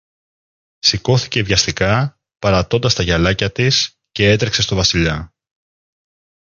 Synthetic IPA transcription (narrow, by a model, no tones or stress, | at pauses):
siko̞θice̞vʝɐst̪ikɐ | pɐɾɐt̪o̞nd̪ɐst̪ɐʝɐlɐcɐt̪is | ce̞e̞t̪ɾekse̞st̪o̞vɐsiʎɐ